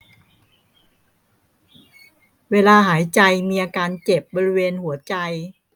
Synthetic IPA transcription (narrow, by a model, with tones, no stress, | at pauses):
weː˧laː˧ɦaː˩˦jt͡ɕa˧jmiː˧ʔaː˧kaː˧nt͡ɕe˨˩p̚bɔː˧ɾi˦˧weː˧nhu˩˦ɐt͡ɕa˧j